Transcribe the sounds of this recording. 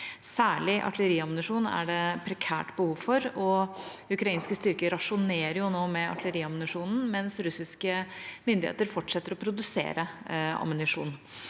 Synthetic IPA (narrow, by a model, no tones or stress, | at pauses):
sæːɭɪʔɑ̰ʈ̪ləɾiːɑmnɪʂuːnæ̰ɖɛpʰɾɛkʰæ̰ːʈbəhuːʋfɔɾɔ | ʉkɾɑiːnskəst̪ʏɾkəɾɑʂʊneːɾəɾjʊnoːmɛɑ̰ʈ̪ləɾiːɑmnɪʂuːnn̩mɛnsɾʉsɪskəmʏnd̪ɪḛːt̪əɾfɔʈːʂɛt̪ːəɾɔpʰɾʊd̪ʉsḛːɾəɑ̰mʊnɪʂṵːn